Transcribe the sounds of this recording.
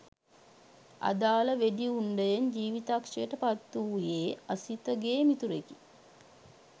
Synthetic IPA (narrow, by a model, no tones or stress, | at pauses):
a̰d̪aːləʋediuɳɖəjeɲd͡ʒiːʋit̪akʂejəʈəpat̪ːuːjeːasit̪əɡeːmit̪uɾeki̥